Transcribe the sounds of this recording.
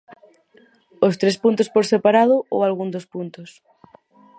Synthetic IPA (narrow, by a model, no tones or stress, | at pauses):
ost̪ɾespunt̪ospoɾsepaɾað̞ʊo̰walɣund̪ospunt̪ʊs